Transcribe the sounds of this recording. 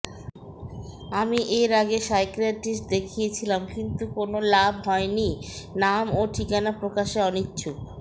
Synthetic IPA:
amiʔeɾaɡesajkɾaʈisd̪ekʰijet͡ɕʰilamkint̪ukonolabʱɦɔeninamoʈʰikanapɾokaʃeɔnitːt͡ɕʰuk

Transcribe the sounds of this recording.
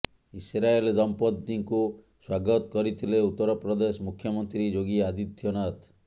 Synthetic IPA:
isɾaeld̪ɔmpɔd̪ːiŋku | swaɡɔt̪ɔ̥kɔɾit̪ʰileut̪ːɔɾɔpɾɔd̪esɔmukʰːjɔmɔnt̪ɾid͡ʒoɡiad̪it̪ʰːjɔnat̪

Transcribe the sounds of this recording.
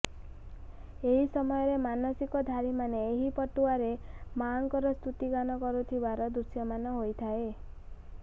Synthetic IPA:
eɦisɔmɔjɔɾemanɔsikɔd̪ʱaɾimaneːɦipɔʈuaɾemaŋkɔɾɔst̪ut̪iɡanɔkɔɾut̪ʰibaɾɔd̪usjɔmanɔɦojt̪ʰae

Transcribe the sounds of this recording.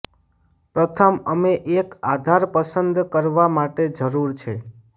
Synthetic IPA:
pɾət̪ʰəməmeʔekad̪ʱaɾpəsənd̪kəɾʋamaʈed͡ʒəɾuɾt͡ʃʰe

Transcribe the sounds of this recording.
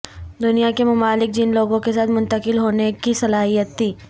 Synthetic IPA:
d̪ʊnijakemɐmaːlɪk̚d͡ʒɪnloːɡõkesaːt̪mʊ̃nt̪əkɪlɦoːnekisɐlaːɦijət̪ːiː

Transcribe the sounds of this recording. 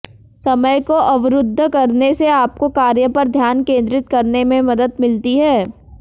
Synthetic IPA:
sɐməjkoʔɐʋɾʊd̪ʱːkɐɾneseaːp̚kokaːɾjəpɐɾd̪ʱjaːnkẽːnd̪ɾɪt̪̚kɐɾnemẽmɐd̪əd̪mɪlt̪iɦɛː

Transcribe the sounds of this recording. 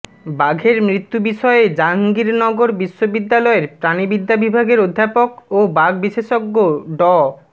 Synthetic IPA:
baɡʱeɾmɾit̪ːubiʃɔeed͡ʑaŋɡiɾnɔɡoɾbiʃːobid̪ːalɔeɾpɾanibid̪ʱːabibʱaɡeɾod̪ʱːapokobaɡbiʃeʃoɡːoɖɔ

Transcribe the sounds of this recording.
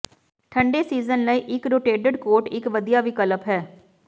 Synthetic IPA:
ʈʰəɳɖeːsiːzənləiːʔɪkɾoːʈeːɖəɖkoːɾʈɪkʋəd̪ijaːʋiːkələpɦɛː

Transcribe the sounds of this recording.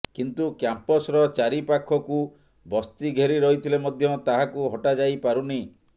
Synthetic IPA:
kint̪ukjampɔsɾɔt͡ʃaɾipakʰːɔku | bɔst̪iɡʱeɾiɾɔɦit̪ʰilemɔd̪ʱjɔt̪aɦakuɦɔʈad͡ʒajpaɾuni

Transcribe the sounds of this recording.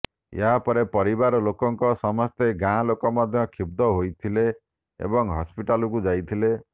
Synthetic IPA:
ḛɦapɔɾepɔɾibaɾɔlokɔŋkɔsɔmɔst̪eɡãlokɔmɔd̪ʱjɔkʰib̚d̪ɔɦojt̪ʰile | ḛbɔŋɦɔspiʈalɔkud͡ʒajt̪ʰile

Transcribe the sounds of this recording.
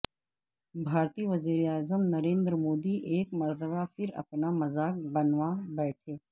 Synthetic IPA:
bʱaːɾt̪iːʋɐziːɾeaːzəmnɐɾẽːnd̪ɾəmoːd̪iʔeːkmɐɾt̪əbafʰɪɾɐ̰pnamɐzaːk̚bɐnʋabɛːʈʰeː

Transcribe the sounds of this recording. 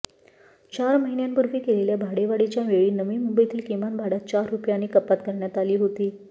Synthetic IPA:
t͡ɕaɾməɦinjanpuɾʋiːkeleljabʱaɽeʋaɽit͡ɕjaʋeɭiːnəʋiːmumbəjit̪iːlkimanbʱaɽat̪̚t͡ɕaɾːupjañiːkəpːat̪kəɾɳjat̪aliːɦot̪iː

